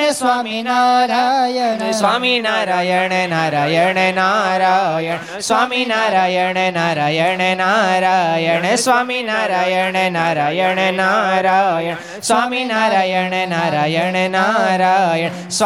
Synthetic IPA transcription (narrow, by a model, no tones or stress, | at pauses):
esʋaminaɾa | saminaɾajɐɳenaɾajɐɳenaɾajɐɳ | sʋaːminaɾajɐɳenaɾajɐɳenaɾajɐɳesʋaːminaɾajɐɳenaɾajɐɳenaɾajɐ | sʋaːminaɾajɐɳenaɾajɐɳenaɾajɐɳ | sʋ